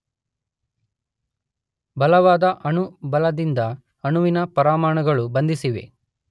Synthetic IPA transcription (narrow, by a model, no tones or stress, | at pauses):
bɐlɐʋaːd̪ɐʔɐɳubɐlɐd̪ind̪ɐ | ɐɳuʋinɐpɐɾaːmaːɳɐɡɐɭubɐnd̪isiʋe̞̰